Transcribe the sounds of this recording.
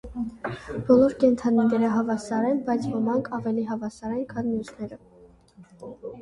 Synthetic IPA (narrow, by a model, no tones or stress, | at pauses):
b̥ɔlɔɾkɛnt̪ʰɑninɛɾəɦɑvɑsɑɾɛnbɑjt͡sʰvəmɑŋkʰɑvɛliɦɑvɑsɑɾɛnkʰɑnmjusnɛɾə